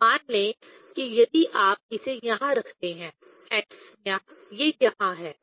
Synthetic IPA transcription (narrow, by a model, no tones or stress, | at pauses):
maːnlẽ | kijɐd̪iʔaːp̚ɪsejɐɦãɾɐkʰt̪eɦɛ̃ː | ɛːksjãːjejɐɦãɦɛː